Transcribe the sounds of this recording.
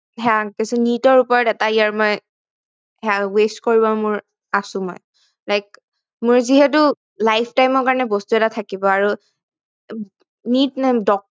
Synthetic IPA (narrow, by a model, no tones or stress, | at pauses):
ɦakɛsʊnitɔɹupɔɹɔtɛtaijaɹmoj | ɦawestkoɹibɔmʊɹ | asʊ̃mɔ̰j | lajk̚ | mʊɹziɦɛt̬ʊ | lajpʰtajmɔɹkaɹɔnɛbɔstuɛtatʰakibɔaɹu | nitnadɔk̚